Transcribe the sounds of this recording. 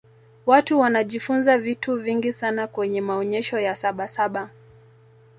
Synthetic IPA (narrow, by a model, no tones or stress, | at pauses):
watuwanaʄifunzavituviŋɡisanakwɛɲɛmaɔɲɛʃɔjasaɓasaɓa